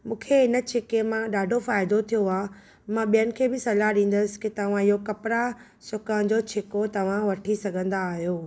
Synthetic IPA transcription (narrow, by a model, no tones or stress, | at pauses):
mũːkʰeɪnə̆t͡ɕʰɪkemãɗaːɖʱofaːɪd̪ot̪ʰijoaː | mãɓijənɪ̆kʰeːbɪsɐlaɗĩːn̆d̪əsɪ̥̆kɪt̪ɐʋ̤ãɪɦokɐpɾa | sʊkə̃d͡ʑoːt͡ɕʰɪkot̪ɐʋ̤ãʋɐʈʰisɐɡʱə̃nd̪aːɦijoː